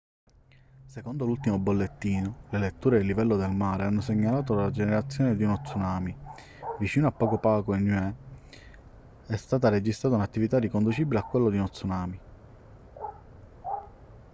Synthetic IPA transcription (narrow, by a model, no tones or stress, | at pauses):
sekond̪olult̪imobolːet̪ːiːnolelet̪ːuːɾeelːivɛlːod̪elmaːɾeanːoseɲːalaːt̪olad͡ʒeneɾat̪sːjoːned̪inɔt̪sːunaːmi | vit͡ʃiːnoapːɔːkopaːkoenːuɛ | ɛst̪aːt̪ared͡ʒist̪ɾaːt̪aunat̪ːivit̪arːikond̪ut͡ʃibileakːwelːod̪inɔt̪sunaːmi